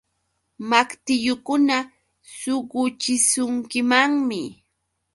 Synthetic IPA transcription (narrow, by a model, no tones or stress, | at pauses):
makt̪ɪʎʊkʊna | sʊɢʊt͡ʃɪsʊŋkɪmaŋmɪ